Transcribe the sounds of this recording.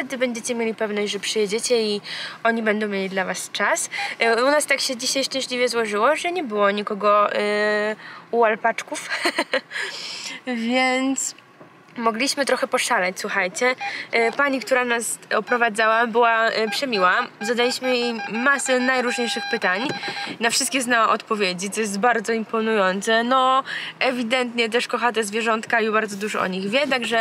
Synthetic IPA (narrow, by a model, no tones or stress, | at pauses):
t̪ɛd̪ɘbɛɲd͡ʑet͡ɕɛmʲjelʲipɛvnɔɕd͡ʑʲʐɛpʂɨjɛd͡ʑet͡ɕɛiɔɲibɛnd̪ɔ̃w̃mʲjelʲid̪lavast͡ʂasunast̪akɕɛd͡ʑiɕajʂt͡ʂɛ̃ɕlʲivʲjɛzwɔʐɘwɔʐɛɲɛbɘwɔɲikɔɡɔ | uwalpat͡ʂkuf | vʲjɛnt̪s | mɔɡlʲiɕmɘt̪ɾɔxɛpɔʂalat͡ɕswuxajt͡ɕɛpaɲik̚t̪uɾanasɔpɾɔvad̪zawabɘwapʂɛmʲiwazad̪alʲiɕmɘjejmasɛnajɾuʐɲejʂɘxpɘt̪aɲnafʂɨst̪kʲɛznawaʔɔt̪pɔvʲjed͡ʑit̪sɔjɛs̬t̪baɾd̪zɔimpɔnujɔnt̪sɛnɔɛvʲid̪ɛnt̪ɲɛt̪̬ɛʂkɔxat̪̬ɛzvʲjɛʐɔnt̪kaibaɾd̪zɔd̪uʐɔʔɔ̰ɲiɣvʲjɛt̪̬aɡʐɛ